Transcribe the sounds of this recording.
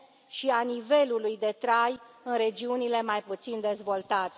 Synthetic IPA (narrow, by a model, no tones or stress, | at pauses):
ʃianive̞lulujd̪e̞t̪ɾajɨnɾe̞d͡ʒiunile̞majput̪sind̪e̞zvo̞lt̪at̪e